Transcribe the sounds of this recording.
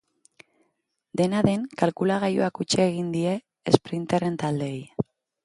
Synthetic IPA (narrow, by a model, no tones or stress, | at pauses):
d̪e̞naðe̞ŋkalkulaɣajoakut͡ʃeːɣind̪ie̞ː | spɾint̪eɾe̞nt̪ald̪eːj